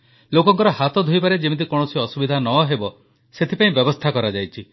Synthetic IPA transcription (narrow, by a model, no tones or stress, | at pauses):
lokɔŋkɔɾɔhat̪ɔd̪ʱojpaɾed͡ʒemit̪̬ikɔɽ̃ɔsiɔsubid̪ʱanɔɦebɔ | set̪ʰipaĩbjɔbɔst̪ʰakɔɾad͡ʒajt͡ʃʰi